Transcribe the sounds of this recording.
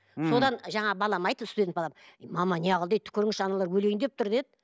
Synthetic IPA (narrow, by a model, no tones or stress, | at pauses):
so̞d̪ɑnʒɑɴɑbɑlˠɑmɑjd̪əst̪ud̪ʲebɑlˠɑmmɑmɑnʲeɑʁəlˠd̪et̪ʰːʏ̥kʲʰʏɾɪŋɪʃɑnɑlˠɑɾwɵle̞jnd̪ep̚t̪ʰʊɾd̪e̞d̪ɪ